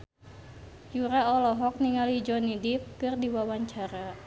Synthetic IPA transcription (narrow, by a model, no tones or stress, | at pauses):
juɾaɔlɔɦɔk̚niŋalid͡ʒɔnidip̚kɨrdiwawaɲt͡ʃaɾa